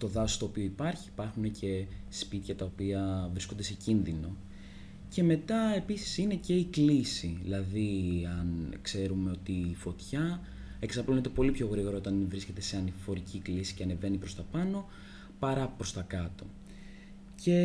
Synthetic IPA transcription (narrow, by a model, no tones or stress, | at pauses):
t̪o̞ðɐsost̪oːpio̞ipɐɾçiːpɐɾxune̞ce̞spit̪çɐt̪ɐopiɐvɾisko̞nd̪e̞se̞cinðino̞ | ce̞me̞t̪ɐe̞pisi̥sine̞ce̞iklisiðilɐðiɐnkse̞ɾume̞o̞t̪iːfo̞t̪çɐ | e̞ksɐplonet̪e̞po̞lipço̞ɣɾiɣo̞ɾɐot̪ɐnvɾisce̞t̪e̞seɐnifo̞ɾiciklisi̥ceɐne̞ve̞nipɾo̞st̪ɐpɐno̞ | pɐɾɐpɾo̞st̪ɐkɐt̪o̞̰ | ce̞